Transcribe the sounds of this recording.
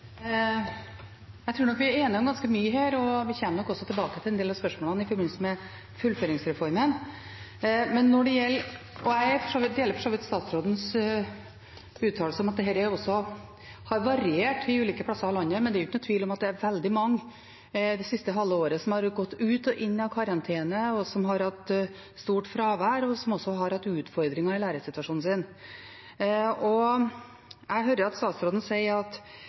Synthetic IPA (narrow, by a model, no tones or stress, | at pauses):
jæɪt̪ʰɾʉːnɔkʋɪæɾeːnɪɔmɡɑnskəmyːəɦeːɾɔʋɪçɛmənɔkɔsɔt̪ʰɪlbɑːkət̪ʰɪlɛnd̪eːlɑʋspœʂmoːlɑnɪfɔɾbɪnsmɛ | fʉlføːɾɪŋsɾɛfɔɾmən | mɛnːɔɖɛjɛlː | ɔæɪæɾfɔʂoːʋɪt̪̚d̪ɛjɛləɾfɔʂoːʋɪt̪st̪ɑːt̪sɾoːd̪n̩s | ʉːt̪ʰːɑːlsəɔmɑt̪̚d̪ɛɦɛːɾæjʊɔsːɔ | hɑɾʋɑɾɪeːʈʋɪʉːliːkəpʰlɑsːəɾɑlɑnːəmɛnd̪ɛɾʊɪçːnʊt̪ʰʋiːlɔmɑt̪̚d̪ɛæɾʋɛld̪ɪmɑŋː | d̪ɛsɪst̪əɦɑlːəoːɾəsɔmhɑɾɡɔt̪ːʉːt̪ɔʔɪnːɑkʰɑɾɑnt̪ʰeːnəɔsɔmɦɑɾhɑt̪ | st̪uːʈfɾɑːʋæːɾɔsɔmɔsːɔɦɑɾhɑt̪ːʉːt̪fɔɾd̪ɾɪŋɑɪlæːɾəsɪt̪ʋɑʂuːnn̩sɪn | ɔ | ʔæɪɦœːɾəɾɑt̪st̪ɑːt̪sɾoːd̪n̩sæɪəɾɑt̪